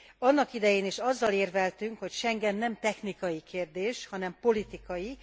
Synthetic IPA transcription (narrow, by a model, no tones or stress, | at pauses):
ɒnːɒkid̪ɛjeːneːʃɒzːɒleːrvɛlt̪yŋkho̞cʃɛŋɡɛnːɛmt̪ɛxnikɒjikeːrd̪eːʃhɒnɛmpo̞lit̪ikɒji